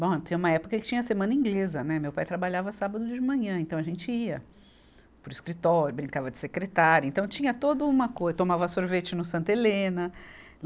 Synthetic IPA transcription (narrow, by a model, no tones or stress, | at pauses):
bõt̪ẽũmɐɛpʊkɐkɪt͡ʃĩɲɐsemɐ̃nɐĩŋɡlezɐnɛmewpajt̪ɾabaʎavɐsabɐd̪ʊd͡ʒd͡ʒɪmɐ̃ɲɐ̃ẽnt̪ɐ̃w̃ɐʒẽnt͡ʃɪiɐ | pɾʊiskɾit̪ɔɾjʊbɾĩŋkavɐd͡ʒɪ̥sekɾet̪aɾjʊẽnt̪ɐ̃w̃t͡ʃĩɲɐt̪od̪ɐũmɐkojzt̪omavɐsoɾvet͡ʃɪnʊsɐ̃nt̪ɐelẽnɐ